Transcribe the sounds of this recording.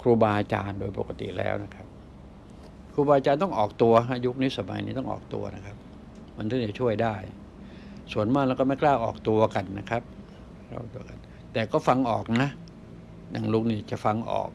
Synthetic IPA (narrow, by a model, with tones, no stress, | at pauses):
kʰɾuː˧baː˧ʔaː˧t͡ɕaː˧ndoː˧jpo̰˨˩ka˧t̪ḭ˨˩lɛ̰ː˦˥wna˦˥kʰa˦˥p̚ | kʰɾuː˧baː˧ʔa˧t͡ɕaː˧nt̪ɔ˥˩ŋʔɔː˨˩k̚t̪u˧ɐɦa˦˥ju˦˥k̚niː˦˥sa˧ma̰˨˦jnḭː˦˥t̪ɔ˥˩ŋʔɔ̰ː˨˩k̚t̪ṵ˧ɐna˦˥kʰa˦˥p̚ | ma˧˥˦nt̪ʰɯ˥˩t͡ɕa˨˩t͡ɕʰu˥˩əjdaː˥˩j | su˨˩ənmaː˥˩lɛː˧˦kɔː˥˩ma˥˩klaː˥˩wʔɔː˨˩k̚t̪u˧ɐka˧nːa˦˥kʰa˦˥p̚ | kla̰ː˥˩t̪u˧ɐka˧n | t̪ɛː˨˩kɔː˥˩fa˧ŋʔɔː˨˩k̚na˦˥ʔ | ja˨˩ŋlu˦˥k̚niː˥˩t͡ɕa˨˩ʔfa˧ŋʔɔ̰ː˨˩k̚